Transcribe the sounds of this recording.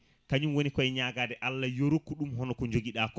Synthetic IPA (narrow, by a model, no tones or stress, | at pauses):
kaɲumwonikɔɛɲaːɡaːdɛʔalːajoɾokːuɗumɦɔnɔkɔɲd͡ʒoɡiɗaːkɔ